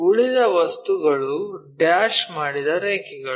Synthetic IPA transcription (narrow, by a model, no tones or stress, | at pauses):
uɭid̪ɐʋɐst̪uɡɐɭuɖaːʃmaːɽid̪ɐɾeːkiɡɐ